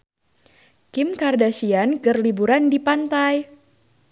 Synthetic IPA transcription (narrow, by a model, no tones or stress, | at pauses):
kɪmkardasiankərlibuɾandipant̪aj